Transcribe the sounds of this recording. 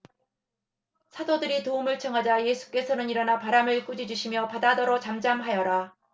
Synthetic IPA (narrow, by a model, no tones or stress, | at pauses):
sʰadodɯɾitoumɯɭt͡ɕʰʌŋɦad͡ʑaje̞sʰu̥k͈e̞sʰʌnɯɲiɾʌnapaɾamɯɭk͈ud͡ʑid͡ʑuɕʰimjʌpadadʌɾot͡ɕamd͡ʑamɦajʌɾa